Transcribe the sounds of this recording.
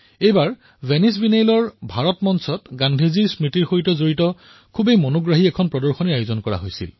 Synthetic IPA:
ejbaɹ | vʱenis̬binejlɔɹbʱaɹɔtmɔnsɔtɡandʱiziɹsmitiɹxoɹitɔzoɹitɔ | kʰubejmonoɡɹaɦiɛkʰɔnpɹɔdɔɹxoniajozɔnkɔɹa̰ɦojsḭl

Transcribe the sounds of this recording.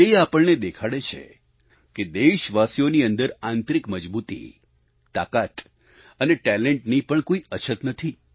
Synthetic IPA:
eapəɭned̪ekʰaɽet͡ʃʰḛ | ked̪eʃʋasijoniənd̪əɾãnt̪ɾikməd͡ʒbut̪ḭ | t̪a̰kat̪ | əneʈɛleɳʈnipəɳkoiət͡ʃʰət̪nət̪ʰi

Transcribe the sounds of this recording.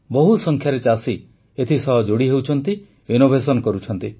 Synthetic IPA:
bɔɦusɔŋkʰjaɾet͡ʃasi | et̪ʰisɔɦɔd͡ʒoɽiɦewt͡ʃʰɔnt̪i | ʋenobʱesɔnkɔɾut͡ʃʰɔnt̪i

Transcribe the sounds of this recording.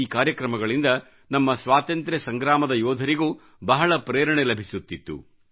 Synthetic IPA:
iːkaːɾjɐkɾɐmɐɡɐɭind̪ɐ | nɐmːɐsʋaːt̪ɐnt̪ɾesɐŋɡɾaːmɐd̪ɐjɔːd̪ʱɐɾiɡuː | bɐɦɐɭɐpɾɛːɾɐɳelɐbʱisut̪ːit̪ːṵ

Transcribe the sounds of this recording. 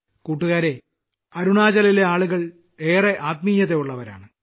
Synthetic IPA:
kuːʈːuɣaːɾe̞ | ɐɾuɳaːd͡ʑɐlile̞aːɭuɣɐɭ | e̞ːreʔaːt̪̚mijːɐðeuɭːɐʋɐɾa̰ːɳɨ

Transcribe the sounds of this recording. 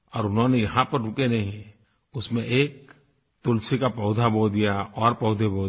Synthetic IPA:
ɔːɾʊnɦõnejɐɦãpɐɾɾʊkenɐɦĩɦɛ̃ | ʊsmẽʔeːk̚ | t̪ʊlsʰikapɐʊd̪ʱaboːd̪ijaɔːɾpɔʊd̪ʱeboː

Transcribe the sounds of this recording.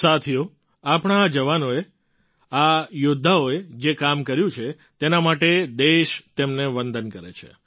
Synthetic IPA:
sat̪ʰijo | apɳ̃aːd͡ʒəʋanoe | ajʊd̪ʱːaoed͡ʒekamkəɾjũt͡ʃʰe | t̪enamaʈed̪eʃt̪emneʋənd̪ənkəɾḛt͡ʃʰḛ

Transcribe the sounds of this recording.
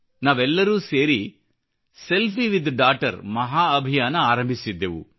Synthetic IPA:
naːʋɛlːɐɾuːseːɾi | selpʰiʋid̪ʱɖaːʈɐ̰ɾmɐɦaːɐbʱijaːnɐaːɾɐmbʱisid̪ːeːʋṵ

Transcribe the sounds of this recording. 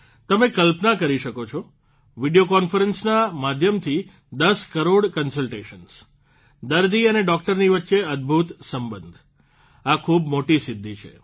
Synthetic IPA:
t̪əmẽkəlpnakəɾiʃəkot͡ʃʰɔ | ʋiɖijokɔnfəɾənsnamad̪ʱjəmt̪ʰi | d̪əskəɾoɽkənsəlʈeʃəns | d̪əɾd̪iəneɖɔk̚ʈəɾniʋətːʃeəd̪̚bʱut̪səmbənd̪ʱ | akʰubmoʈisɪd̪ʱːit͡ʃʰḛ

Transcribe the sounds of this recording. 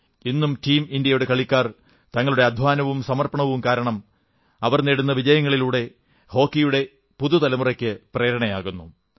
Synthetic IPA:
inːumtiːmindjɐjuɽe̞kɐɭikʲːaːr | t̪ɐŋːɐɭuɽe̞ɐd̪ʱʋaːnɐʋumsɐmɐrpɐɳɐʋumkaːɾɐɳɐm | ɐʋɐrneɽunːɐʋid͡ʑɐjɐŋːɐɭiluːɽe̞ | ho̞ːkːijuɽe̞ | puðut̪ɐlɐmurɐkʲːɨpreːɾɐɳɐjaːɣunːu

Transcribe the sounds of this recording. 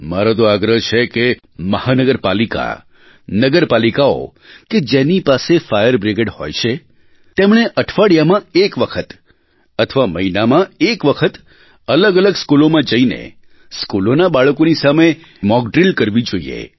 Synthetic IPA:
maɾot̪oaɡɾəɦt͡ʃʰeke | məhanəɡəɾpalika̰ | nəɡəɾpalikao̰ | ked͡ʒenipasefajəɾbɾɪɡeɖho̰jt͡ʃʰe | t̪emɳ̃eʔəʈʰʋaɽjamãekʋəkʰət̪ | ət̪ʰəʋaməinamãekʋəkʰət̪ | ələɡələɡskulomãd͡ʒəinḛ | skulonabaɭəkonisame | mɔk̚ɖɾilkəɾʋid͡ʒoiḛ

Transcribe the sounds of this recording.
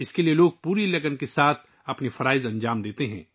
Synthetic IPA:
ɪskelijeloːɡ̚puːɾilɐɡənkesaːt̪ʰ | ɐpnifɐɾaːɪzɐ̃ɲd͡ʒaːmd̪eːt̪eɦɛ̰̃ː

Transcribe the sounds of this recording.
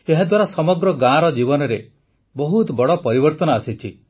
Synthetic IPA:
eɦad̪waɾasɔmɔɡɾɔɡãɾɔd͡ʒibɔnɔɾe | bɔɦut̪bɔɽɔpɔɾibɔɾt̪ɔnɔasit͡ʃʰi

